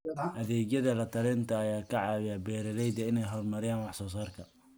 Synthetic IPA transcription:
ʔɐðɛːd͡ʒjɐðɐlɐt̪ʰɐlɛːnt̪ʰɐɐjaːkʰɐʕɑːwɪjɐbɛːɾɐlɛjd̪ɐɪnɛjɦɔːrmɐɾɪjaːnwɑħsɔːs̬aːrkʰɐ

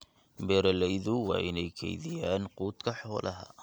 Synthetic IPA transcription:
mbɛːɾɐlɛjðʊwɑ̰ːʔɪnɛjkʰɛ̰jðɪjaːnquːd̪kʰɐħɔːlʔɐɦɐ̰

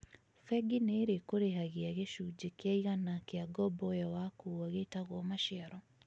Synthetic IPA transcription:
fɛɡineːɾekoɾeɦaɣeaɣeʃud͡ʑekeaiɣanakeaɡɔbɔjawakuwaɣetaɣwɔmaʃiaɾɔ

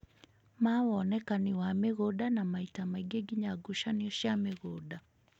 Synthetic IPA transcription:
mawɔnɛkaniwameɣodanamaitamaiɡeɡiɲaɡuʃaniɔʃjameɣoda

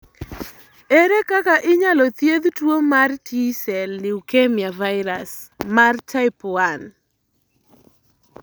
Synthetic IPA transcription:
ɛɾɛkakaʔɪɲalɔt̪jed̪twomartisɛlːɪwkemjavaɪɾas | mart͡ʃaɪpɔan

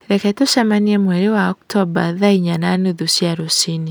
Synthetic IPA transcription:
ɾɛkɛtoʃamaniemwɛɾewaɔktɔbaðaiɲananuðusjaɾosini

